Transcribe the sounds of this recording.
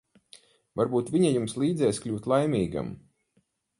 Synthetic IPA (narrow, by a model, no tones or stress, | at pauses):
vaɾbuːt̪vʲiɲajumslˠiːd̪zɛjsklʲuːt̪lˠajmʲiːɡa̰m